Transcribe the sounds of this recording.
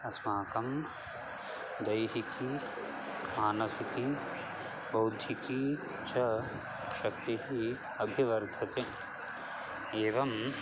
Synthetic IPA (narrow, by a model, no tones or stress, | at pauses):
ɐsmaːkɐm | d̪ɐjɦiki | maːnɐsiki | bɐwd̪ʱjiki | t͡ʃʰɐ | ʃɐkt̪iɦi | ɐbʱiʋɐɾd̪ʱɐt̪e | eːʋɐm